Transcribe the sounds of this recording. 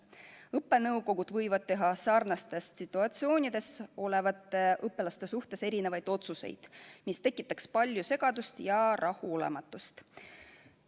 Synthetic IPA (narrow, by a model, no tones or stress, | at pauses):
ɤpːˑe̞nɤwɡo̞ɡ̥ud̪̥vɤjvɑd̪̚t̪ːe̞ɦɑsɑrnɑst̪e̞st̪sit̪ːˑuɑt̪sio̞ːnʲid̪̥e̞so̞le̞vɑt̪ːˑe̞ʔɤpːˑe̞lɑst̪e̞suht̪e̞se̞ɾine̞vɑjd̪̥o̞t̪suse̞̰jd̪̥mist̪e̞kːˑit̪ːˑɑkspɑlʲjuse̞ɡ̥ɑd̪ust̪jɑɾʔɑhuo̞le̞̰mɑt̪ːˑust̪